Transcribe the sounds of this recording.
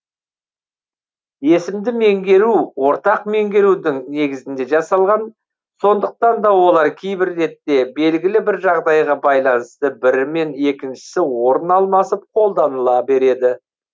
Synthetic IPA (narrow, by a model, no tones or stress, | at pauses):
je̞sɪmd̪ɪme̞ŋɡʲe̞ɾuwo̞ɾt̪ɑqme̞ŋɡʲe̞ɾud̪ɪŋne̞ɡʲɪzɪnd̪e̞ʒɑsɑlˠʁɑn | so̞nd̪əq̚t̪ɑnd̪ɑwo̞lˠɑɾkʲʰejbɪɾːe̞t̪ːe̞be̞lɡʲɪlɪbɪɾʒɑʁd̪ɑjʁɑbɑjlˠɑnəst̪əbɪɾɪme̞ne̞kʲɪnʃɪ̥sɪwo̞ɾənɑlˠmɑsəp̚qʰo̞lˠd̪ɑnəlˠɑbe̞ɾe̞d̪ɪ